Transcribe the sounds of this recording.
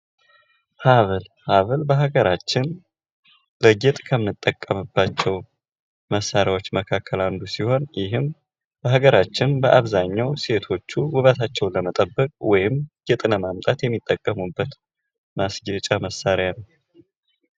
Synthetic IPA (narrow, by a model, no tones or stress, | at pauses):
haβəl | haβɨlbəɦaɡəɾat͡ʃːɪn | bəɡɛt̪ʼkʰəmɨnɨt̪ʼːəkʼːəmɨbːat͡ʃːɛw | məsːaɾjawo̞t͡ʃːməkʰakʰːəland̪usiho̞njɪɦɨm | bəɦaɡəɾat͡ʃːɪnbəʔaβzaɲːawse̞t̪ʰo̞t͡ʃːuwʊβət̪ʰat͡ʃːɛwləmət̪ʼəbːəkʼwɔjɪmɡɛt̪ʼləmamt̪ʼat̪jɛmːit̪ʼːəkʼːəmubːət̪ | masɡət͡ʃʼaməsːaɾjanəw